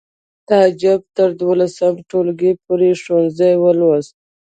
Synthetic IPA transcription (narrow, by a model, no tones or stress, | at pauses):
t̪ad͡ʒab̚t̪əɾd̪wolasəmʈolɡepoɾeʃonzəjwəlwaz